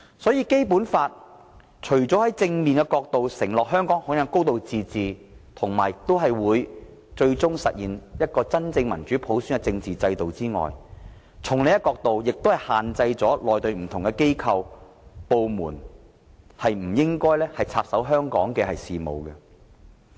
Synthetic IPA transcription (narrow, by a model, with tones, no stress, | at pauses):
sɔː˨˥jiː˧ke˥jpuː˨˥nfaː˧t̚ | t͡ʃʰɵ˨˩ɥt͡sɔː˨˥hɐ˨˥jt͡sɪ˧ŋmiː˨nkɛ˧kɔː˧k̚t̪o˨wsɪ˨˩ŋlɔː˨k̚ɦœː˥ŋkɔː˨˥ŋhɔː˨˥jɐ˨˥ŋko˥wt̪o˨wt͡siː˨˧t͡siː˨t̪ʰʊ˨˩ŋmaː˨˩jɪ˨k̚t̪o˥wɦɐ˨jwuː˨˧j | t͡ʃɵ˧ɥt͡sʊ˥ŋsɐ̰˨t̚jiː˨njɐ˥t̚kɔː˧t͡sɐ˥nt͡sɪ˧ŋmɐ˨˩nt͡ʃyː˨˥pʰo˨˥wsyː˥nkɛ˧t͡sɪ˧ŋt͡siː˨t͡sɐ˧jt̪o˨wt͡siː˥ŋɔ̰ː˨j | t͡sʰʊ˨˩ŋle˨˥jɛ˧˥kɔː˧k̚t̪o˨wjɪ˨k̚t̪o˥hɐ˨jhaː˨nt͡sɐ˧jt͡sɔː˨˥lɔː˨jt̪ɵ˧ɥm̩˨˩t̪ʰʊ˨˩ŋkɛ˧ke˥jkʰɐ˧w | po˨wmuː˨˩n | hɐ˨jm̩˨˩jɪ˥ŋkɔː˥jlɛː˥hɐ˨jt͡sʰaː˧p̚sɐ˨˥wɦœː˥ŋkɔ̰ː˨˥ŋkɛː˧ɦɐ˨jsiː˨mo̰˨˧wkɛ˧